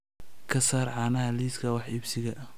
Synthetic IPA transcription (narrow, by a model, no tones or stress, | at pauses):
kʰɐsaːrʕɑːnɐɦɐliːskʰɐwɑħɪbsɪɣɐʔ